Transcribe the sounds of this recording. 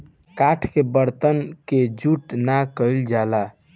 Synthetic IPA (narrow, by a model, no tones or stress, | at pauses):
kaʈʰkebəɾt̪ənked͡ʒuʈnakəɪld͡ʒala